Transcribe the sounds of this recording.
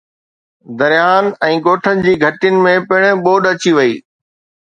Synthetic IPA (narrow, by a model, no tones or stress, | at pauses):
d̪ɐɾjaːnɛ̃ːɡoːʈʰənɪ̆d͡ʑiːɡʱɐʈɪjənɪ̆mẽpɪɽ̃ɓoːɗɐt͡ɕiʋɐiː